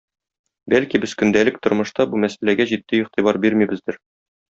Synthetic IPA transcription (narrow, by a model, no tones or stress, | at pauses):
bælkibɘz̥kɵ̆nd̪ælɘk̚t̪ŏɾmɤ̆ʃt̪ɑbumæsælæɡæʑit̪ːɘiqt̪ibɑɾbiɾmibɘ̆zd̪ɘɾ